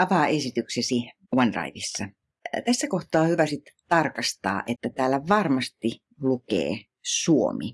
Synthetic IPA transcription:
ɑʋɑːesit̪yksesi | wɑndrɑ̰iʋisːɑ | t̪æsːækoht̪ˑɑːhyʋæsit̪t̪ɑrkɑst̪ɑ̰ːʔet̪ːæt̪æːlːæʋɑrmɑst̪i | lukḛː | suo̰mḭ

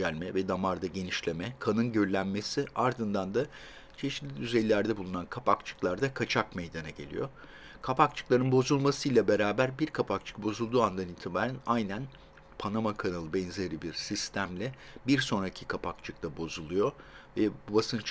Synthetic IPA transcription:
ælʲmɛvɛd̪amaɾd̪aɟe̞niʃlʲe̞mɛkʰanɯnɟø̞ɾlʲænme̞siaɾd̪ɯnd̪and̪a | t͡ʃʰe̞ʃi̥t̪lʲid̪yzejlːʲæɾd̪ɛbulˠunankʰapʰakt͡ʃʰɯ̥klˠaɾd̪akʰat͡ʃʰakmejd̪anaɟe̞̰lʲḭjo̞̰ | kʰapak̚t͡ʃʰɯ̥klˠaɾɯnbo̞zulˠmasɯjlʲˠabe̞ɾaːbæɾbiɾkʰapʰak̚t͡ʃʰɯ̥k̚bo̞zulˠd̪uːand̪anilʲt̪ʰibaːɾænajnæn | pʰanamakʰanalˠɯbɛnzeɾibiɾsist̪ʰæmlʲɛbiɾso̞nɾacʰi̥kʰapʰakt͡ʃʰɯk̚t̪ˠabo̞zulˠujo̞vɛbubasɯnt͡ʃ

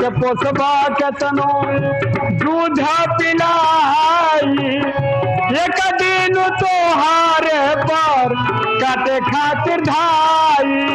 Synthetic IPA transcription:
keposɐbaːkɐt̪ɐno | d͡ʒud̪ʱapilaɦaji | ekad̪i | nut̪oɦaːɾe | pɐɾ | kat̪ekʰaːt̪iɾd̪ʱaːji

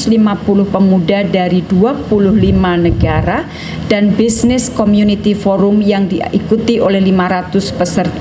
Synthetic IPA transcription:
slimapulʊhpəmudadaɾid̥uapulʊhlimanəɡaɾa | d̥anbisnɪskɔmjunit̪ifɔɾʊmjaŋdiikut̪iʔolɛhlimaɾat̪ʊspəsər

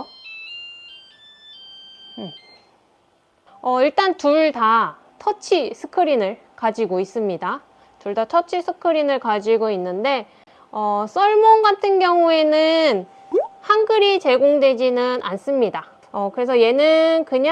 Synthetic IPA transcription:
je | ʌiɭt͈antuɭta | tʰʌt͡ɕʰisʰɯ̥kʰɯɾinɯɭ | kad͡ʑiɡois͈ɯmɲida | tuɭdatʰʌt͡ɕʰisʰɯkʰɯɾinɯɭkad͡ʑiɡoinːɯnde̞ | ʌs͈ʌɭmoŋɡatʰɯnɡjʌŋue̞nɯn | haŋɡɯɾit͡ɕe̞ɡoŋdwe̞d͡ʑinɯnʔa̰ns͈ɯmɲida | ʌkɯɾe̞sʰʌje̞nɯnkɯɲ

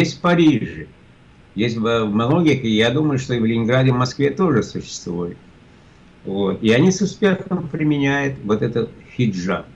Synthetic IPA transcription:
jesʲtʲfpɐɾʲiʐɨ | jesʲtʲmɐlˠoɡʲɪkəɪjad̪uməjʊʂt̪ovʲlʲɪnʲɪnɡɾadʲɪvmɐskvʲe̞t̪o̞ʐɨsʊɕːɪ̥st̪vujɪt̪ | vo̞t̪ɪɐnʲisʊspʲe̞xəmpɾʲɪmʲɪnʲæjʊt̪vot̪ɛt̪ət̪xʲɪʐa̰

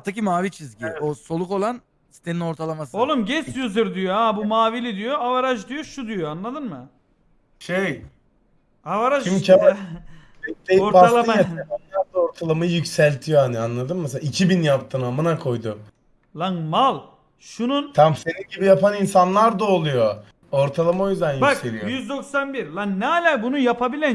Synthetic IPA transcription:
at̪ʰacimaːvit͡ʃʰizɟioso̞lˠuko̞lˠan | si̥t̪ʰe̞nino̞ɾt̪ʰalˠamasɯolˠumɟɛsjyziɾd̪ijoabumaːvilʲid̪ijoavaɾaʒd̪ijoʃud̪yjoanlˠad̪ɯnmɯ | ʃej | avaɾaʃimʰa | eeoɾbaalˠaaaanjap̚t̪ɯoɾt̪ʰalˠamɯjycsælʲt̪ʰijohanianlˠad̪ɯnmseicʰibinjapt̪ʰɯnamɯnakʰo̞jd̪um | lˠaŋmalˠ | ʃununt̪ʰamse̞ninɟibijapʰaninsanlˠaɾd̪aolˠujo | oɾt̪ʰalˠamao̞jyzd̪ænjbakselʲijjyzd̪o̞ksanbiɾlˠannːɛalʲaːbunujapʰabilʲæ

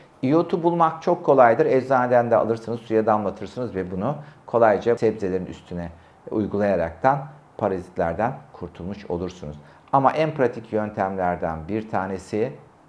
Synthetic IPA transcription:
ijot̪ʰubulˠmak̚t͡ʃʰo̞kʰːo̞lˠajd̪ɯɾɛd͡ʒzaːned̪ænd̪ɛa̰lˠɯɾsɯnɯzsujad̪amlˠat̪ʰɯɾsɯnɯzvɛbunukʰo̞lˠajd͡ʒasɛbzelʲe̞ɾiny̰st̪ʰynɛ | ṵjɡulˠajaɾak̚t̪ʰan | pʰaɾazit̪lʲæɾd̪ænkʰuɾt̪ʰulˠmuʃo̞̰lˠuɾsunuz̥ | amaʔænpʰɾat̪ʰicjø̞nt̪ʰæmlʲæɾd̪ænbiɾt̪ʰaːne̞si

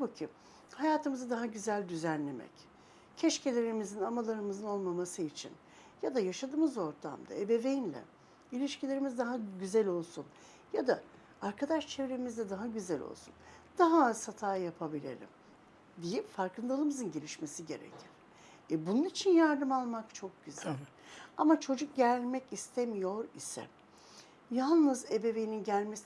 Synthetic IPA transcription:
abucʰi | hajaːt̪ʰɯmɯzɯd̪aɦaɟyzælʲd̪yzænlʲe̞mɛ̰c | cʰɛʃcelʲe̞ɾimizinamalˠaɾɯmɯzɯno̞lˠmamasɯit͡ʃʰḭn | jad̪ajaʃad̪ɯːmɯzo̞ɾt̪ʰa̰md̪a̰ebe̞ve̞jinlʲɛ̰ | ilʲiʃcilʲe̞ɾimizd̪aɦaɟyzælʲo̞lˠsun | jad̪a | aɾkʰad̪aʃt͡ʃʰevɾemizd̪ɛd̪aɦaɟyzɛlʲo̞̰lˠsun | d̪̥aɦasat̪ʰaːjapʰabilʲḛlʲḭm | d̪ijipfaɾkʰɯnd̪alˠɯmɯzɯnɟe̞lʲiʃmesiɟe̞ɾḛcʰiɾ̥ | ɛbununit͡ʃʰinjaɾd̪ɯmalˠmakt͡ʃʰo̞k̚ɟyzælʲ | amat͡ʃʰo̞d͡ʒuk̚ɟælʲmɛcist̪ʰemijo̞ɾḭsɛ̰ | jalˠnɯzebe̞ve̞jininɟælʲmes

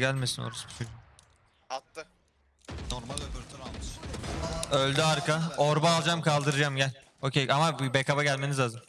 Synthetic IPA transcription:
ælʲmesino̰ɾusbit͡ʃʰoi | at̪ːɯ | noɾmat̪ʰamɯʃ | ølʲd̪iaɾkaoɾbaːlˠd͡ʒamkʰalˠd̪ɯɾɯd͡ʒamɟælʲ | ocʰejʔamabbekʰabaɟælʲme̞nizlaːzɯm

